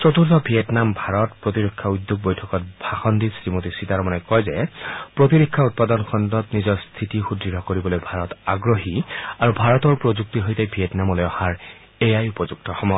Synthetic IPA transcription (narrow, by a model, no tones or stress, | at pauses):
t͡ʃɔtuɹtɔbʱijɛtnambʱaɹɔtpɹotiɹɔkʰːaujd̪ːuɡ̚bojtʰɔkɔt̚bʱaxɔndisɹimotisitaɹɔmanɛkɔjzɛpɹot̬iɹikʰːaut̚padɔnkʰɔndɔtnizɔɹst̪ʰitixudɹiɹɔkoɹibɔlojbʱaɹɔtaɡɹoɦiaɹubʱaɹɔtɔɹpɹozuk̚tiɦojtebʱiɛtnamɔlɔjɔhaɹ | ejajupɔzuk̚tɔxɔmɔj